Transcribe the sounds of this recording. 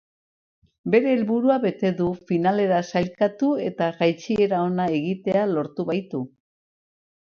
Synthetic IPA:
be̞ɾe̞ːlβuɾuaβe̞t̪e̞ðufinale̞ɾasaʎkat̪ue̞t̪aɣajt͡ʃie̞ɾao̞nae̞ɣit̪e̞alo̞ɾt̪uβajt̪u

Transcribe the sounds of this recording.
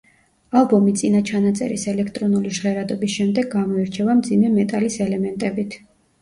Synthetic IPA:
alˠbɔmit̪sʼinat͡ʃʰanat̪sʼɛ̰ɾisɛlɛkʰt̪ʼɾɔnuliʒʁɛɾad̪ɔbisʃɛmd̪ɛɡamɔiɾt͡ʃʰɛvamd̪zimɛmɛt̪ʼalisɛlɛmɛnt̪ʼɛbit̪ʰ

